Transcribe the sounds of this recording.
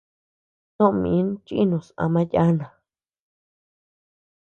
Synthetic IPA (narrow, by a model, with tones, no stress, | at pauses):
t̪õ˦ʔmḭ̃˨˦n˦t͡ʃi˦i˦nũ˨sã̰˧mã˦ja˦nã˨